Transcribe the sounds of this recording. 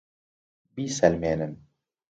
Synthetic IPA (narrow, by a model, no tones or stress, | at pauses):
biːsɛlmeːnɨn